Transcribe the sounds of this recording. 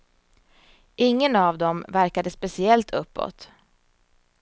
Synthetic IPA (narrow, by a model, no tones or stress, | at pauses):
ʔɪŋːənavd̪ɔmvæɾkad̪əspɛsɪɛlt̪ʰɵpːɔ̰t̪